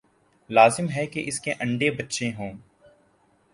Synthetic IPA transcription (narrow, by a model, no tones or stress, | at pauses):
laːzɪmɦɛkeʔɪskeʔɐ̃ɳɖebɐtːʃẽɦõː